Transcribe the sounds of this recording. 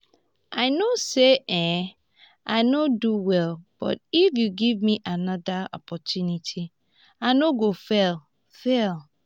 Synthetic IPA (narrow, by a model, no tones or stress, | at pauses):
aɪnoseʔɛ̃ | ʔaɪnoduwɛlb̥ɔ̰tifjuɡivmiʔanɔdaɔ̰pʰɔtʰjunitʰi | aɪnoɡofɛl | fɛl